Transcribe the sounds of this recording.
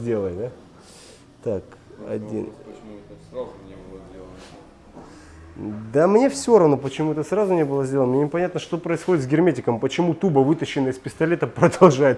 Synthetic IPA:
dʲelˠəjʲd̪a | t̪akɐ̰dʲḭn | d̪amnʲefsʲoɾɐvnopət͡ɕɪmuɛt̪əsrazʊnʲebɨlˠəzʲdʲelˠnəmnʲenʲɪpɐnʲat̪nəʂt̪o̞pɾəɪsxodʲɪt̪sɡʲɪrmʲetʲɪkəmpət͡ɕɪmut̪ubəvɨt̪əɕːɪnːəjəɪspʲɪst̪ɐlʲet̪əpɾəd̪ɐlˠʐajɪt̪

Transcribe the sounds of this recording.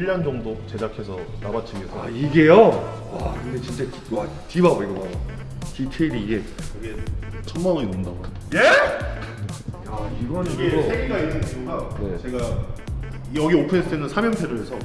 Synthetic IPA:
iʎːand͡ʑʌŋdot͡ɕe̞d͡ʑakʰesʰʌnabat͡ɕʰiɡesʰoaiɡe̞jo | wakɯndet͡ɕint͡ɕ͈e | wa | kibaɡoiɡebaɡo | kitʰeiɾiːɡeʌɡet͡ɕʰʌŋmaŋɯinɯndaɡoatʰje | aiɡʌnɯɡeoeɡiɡainːɯnkʰiuɡaje̞t͡ɕe̞ɡa | jʌɡiopʰɯnesʰɯtʰenɯnsʰamjʌntʰeɾoɾe̞sʰʌ

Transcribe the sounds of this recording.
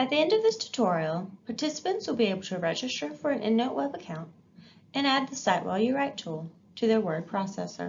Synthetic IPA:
ɨt̪̚ðiɛ̃ndʌvðɪstʰɨ̥tʰɔɹil̩ˠpʰɑɹtʰɪsə̥pɨ̃ntswəlˠbieɪbl̩ˠtʰɨɹɛd͡ʒɨstə˞fə˞ɨ̃nʔɪ̰̃nːoʊʔwɛbəkʰãʊ̃nt | ɨ̃næd̪̚ðɨsaɪʔwʔaɪlˠjəɹaɪtʰulˠ | tʰɨðə˞wɜ˞d̚pʰɹ̥ɑsɛsə̰˞

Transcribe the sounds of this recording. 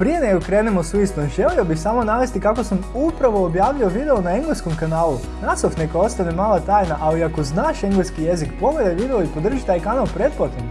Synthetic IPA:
pɾije̞neɡokɾeːnemosʋist̪oʒe̞liobixsamonaʋest̪ikako̞samupɾaʋo̞ːbjaːʋʎuoʋid̪e̞o̞naeŋɡleskomkanaːlˠu | nat̪sofnekoo̞st̪anemaːlˠat̪aːjnaʔaliiakoznaːʃeŋɡleskijezikpo̞med̪ajʋiːd̪eoipod̪r̩ʒit̪aːjkanalˠpɾet̪̚pot̪em

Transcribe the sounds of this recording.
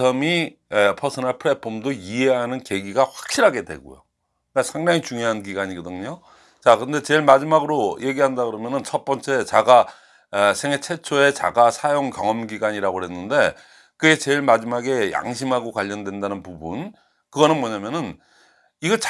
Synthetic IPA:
ʌmi | epʰʌsʰɯnaɭpʰɯɾe̞pʰomdoie̞ɦanɯnke̞ɡiɡaɸwak̚ɕ͈iɾɦaɡe̞dwe̞̰ɡo̰jo̰ | asʰaŋdaŋit͡ɕuŋjoɦankiɡaɲiɡʌdɯɲo | t͡ɕakɯɾʌnde̞t͡ɕe̞ɭmad͡ʑimaɡɯɾoje̞ɡiɦandaɡɯɾʌmjʌnɯnt͡ɕʰʌt̚p͈ʌnt͡ɕ͈e̞t͡ɕaɡa | sʰe̞ŋet͡ɕʰe̞t͡ɕʰoe̞t͡ɕa̰ɡasʰajoŋkjʌŋʌmɡiɡaɲiɾaɡoɦenːɯnde̞ | kɯe̞t͡ɕe̞ɭmad͡ʑimaɡe̞ja̰ŋɕ̬ʰimɦaɡokwaʎːʌndwe̞ndanɯnpubun | kɯɡʌnɯnmʌɲamjʌnɯn | iɡʌt͡ɕ

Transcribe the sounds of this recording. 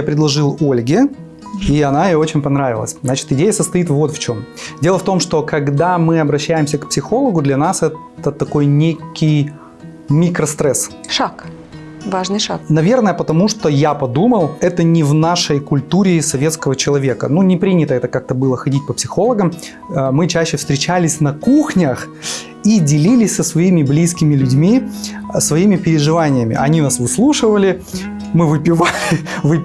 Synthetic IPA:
japɾʲɪd̪lˠɐʐɨlˠo̞lʲɡʲɪ | iɐnaɪjoo̞t͡ɕɪnʲpɐnɾavʲɪlˠə̰sʲznat͡ɕɪ̥t̪ɪdʲejəsəst̪ɐit̪vo̞t̪ft͡ɕo̞mdʲe̞lˠəft̪o̞mʂt̪o̞kɐɡd̪amɨɐbɾɐɕːæjɪmsʲəkpsʲɪxo̞lˠəɡʊd̪lʲɐnasɛt̪ət̪ɐko̞jnʲekʲɪj | mʲikɾəst̪ɾɛs | ʂak | vaʐnɨʂaknɐvʲe̞rnəjəpət̪ɐmuʂt̪o̞japɐd̪uməlˠɛt̪ənʲɪvnaʂəjkʊlʲt̪uɾʲɪsɐvʲe̞t̪skəvət͡ɕɪlˠɐvʲe̞kə̰nunʲɪpɾʲinʲɪt̪əɛt̪əkak̚t̪əbɨlˠəxɐdʲit̚ʲpəpsʲɪ̥xo̞lˠəɡəmː | mɨt͡ɕæɕːɪfst̪ɾʲɪt͡ɕælʲɪsʲnɐkuxnʲəx | idʲɪlʲilʲɪsʲsəsvɐimʲɪblʲiskʲɪmʲɪlʲʉdʲmʲisvɐimʲɪpʲɪɾʲɪʐɨvanʲɪjəmʲɪ̰ʔɐnʲinasvɨslˠuʂɨvəlʲɪ | mɨvɨpʲɪvalʲɪvɨ

